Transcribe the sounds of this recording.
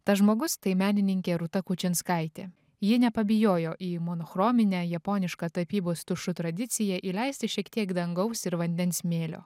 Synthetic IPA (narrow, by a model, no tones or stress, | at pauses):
t̪ɐʒmoːɡʊst̪ɐɪmʲæːnʲɪnʲɪŋʲkʲeːɾʊt̪ɐkut͡ʃʲɪnskɐɪt̪ʲḛː | jɪnʲɛpɐbʲɪjoːjoːʔiːmonoxɾoːmʲɪnʲæːjɛpoːnʲɪʃkɑt̪ɐpʲiːboːst̪ʊʃʊt̪ɾɐd̪ʲɪt̪sʲɪjɛʔiːlʲɛɪsʲt̪ʲɪʃʲiɛkt̪ʲiɛkd̪ɐŋɡɐʊsɪɾʋɐnʲd̪ʲɛnsmʲeːlʲo̰ː